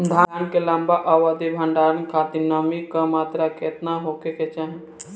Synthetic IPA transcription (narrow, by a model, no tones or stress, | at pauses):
d̪ʱaːankelãmbaʔaʋad̪ibʱɐ̃ɳɖaːɾənkʰaːt̪inəmikamaːt̪ɾaket̪naɦokeket͡ʃaːɦẽ